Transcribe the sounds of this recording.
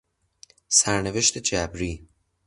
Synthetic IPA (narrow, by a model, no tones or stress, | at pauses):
sæɾneveʃt̪ʰed͡ʒæbɾiː